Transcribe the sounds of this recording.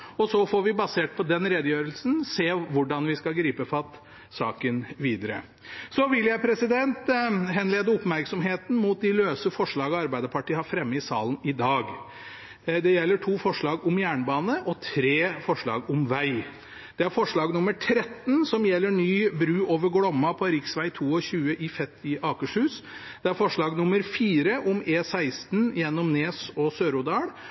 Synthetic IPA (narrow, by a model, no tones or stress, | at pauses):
ɔsɔfɔɾʋɪbɑseːʈ̚pʰɔd̪ɛnɾɛd̪əjøːɾəlsn̩seːʋʊɖɑnʋɪskɑɡɾiːpəfɑt̪ː | sɑːkənʋiːd̪əɾə̰ | sɔʋɪljæɪpʰɾɛsɪd̪ɛnt̪ɦɛnleːd̪əʊpmæɾksɔmɦeːt̪n̩muːt̪̚d̪ɪløːsəfɔʂɭɑːɡɑɾbæɪd̪əɾpʰɑʈiːhɑɾfɾɛmːəɪsɑ̰ːlən̩ɪd̪ɑːɡ | d̪ɛjɛlːəʈʰuːfɔʂɭɑːɡʊmjæːɳbɑːnəʔɔt̪ʰɾeːfɔʂɭɑ̰ːɡʊmʋæɪ | d̪̥ɛæɾfɔʂɭɑːɡnʊməʈʰɾɛt̪ːnsɔmjɛlːəɳyːbɾʉːoːʋəɾɡɽɔmːɑpʰɔɾɪksʋæɪt̪ʰuːɔçʉːəʔɪfɛt̪ʰːɪʔɑːkəʂhʉːsd̪̥ɛæɾfɔʂɭɑːɡnʊməɾfiːɾəʔʊmeːsæɪst̪njɛnːɔmneːsɔsøːɾʊd̪ɑːɽ